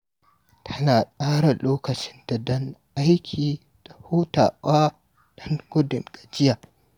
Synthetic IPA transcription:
tʰɐ˦naː˨sʼaː˦ɽa˨loː˦kɐ˨t͡ʃɪ˦nd̥a˨dɔ˦ŋʔa˦jkʲʰiː˨ | d̥a˨huː˦ta̰ː˨ʔaː˦ | d̥ɔ˦ŋɡʊ˦dɪ˨ŋɡ̥a˨d͡ʒɪ˦ja˨

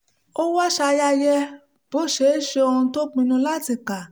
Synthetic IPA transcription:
o˦wa˦ʃa˧ja˧jɛ˦ | b̥o˨˦˨ʃe˨˦˨ʃe˧o˧hũ˧to˦k͡pĩ˧nũ˧la˦ti˦˨ka˨

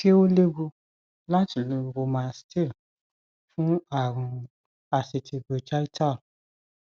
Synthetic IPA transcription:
ke˦o˦le˦ɡu˧ | la˦ti˨lu˨˦˧ɡo˧mã˦ste˦˨l | fũ˦a˦˨ɾ̃ũ˧ | a˧se˧tʰi˧be˧d͡ʒa˦i˦ta˦˨l

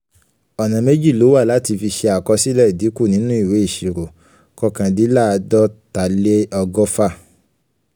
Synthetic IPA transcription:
ɔ˨nã˨me˦d͡ʒi˦˨lo˨˦wa˦˨la˨˦ti˧fi˧ʃe˧a˨kɔ˧si˦lɛ˦˨di˨˦ku˦˨nĩ˦nũ˦i˦˨we˨˦i˦˨ʃi˨ɾo˨ | kɔ˧˨kã˨di˨˦la˦˨˧dɔ˦ta˨le˦ɔ˧ɡɔ˦fa˦˨

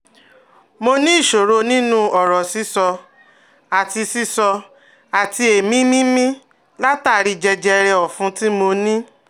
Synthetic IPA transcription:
mo˧nĩ˦i˦˨ʃo˨ɾo˧nĩ˦nũ˦ɔ˨ɾɔ˨si˨˦sɔ˧ | a˨ti˧si˦sɔ˧ | a˨ti˧e˨mĩ˦mĩ˦mĩ˦ | la˦taː˦˨˦ɾi˧d͡ʒɛ˧d͡ʒɛ˧ɾɛ˧ɔ˨fũ˧˦ti˦mo˧nĩ˦

